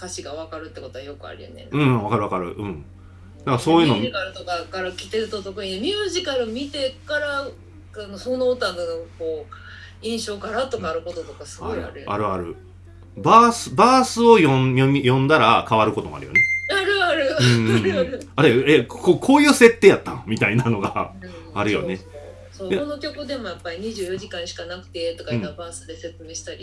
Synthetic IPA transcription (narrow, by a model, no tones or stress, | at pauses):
kaɕiɡaβakaɾɯ̟t̪ːeko̞t̪o̞βajo̞kɯ̟a̰ɾʲɯ̟jo̰nḛɯ̟̃ɴβakaɾɯ̟akaɾɯ̟̰ɯ̟̃ɴ | d̪akasoːjɯ̟nomikaɾɯ̟t̪o̞kakaɾakʲi̥t̪eɾɯ̟t̪ot̪okɯ̟ɲ̟id̪emʲɨːʑikaɾɯ̟mʲit̪e̞kaɾa | anosonoːt̪ad̪anokoː | ĩɰ̃ɕo̞ːkaɾat̪o̞kaːɾɯ̟ko̞t̪o̞t̪o̞kasɨɡao̞ɾa̰ɾɯa̰ɾɯ̟aɾɯ̟̰ | baːsɨbaːsɨo̞jõjomʲijõ̞nd̪aɾakaβaɾɯ̟ko̞t̪o̞moa̰ɾɯ̟jo̰neaɾɯ̟aɾɯ̟ɯ̃ːaɾeekokʰo̞ːjɯ̟ːse̞t̪ːeːjat̪ːanomʲit̪ainano̞ɡa̰ | aɾɯ̟jo̞̰ne̞ | soːono̞kʲo̞kɯd̪e̞mo̞japːaɾʲiɲ̟iʑɨːjo̞ʑikãɰ̃ɕi̥kanakɯ̟̥t̪e̞t̪o̞kaĩnabaːsɨd̪e̞se̞t͡sɨmʲiɕi̥t̪aɾʲi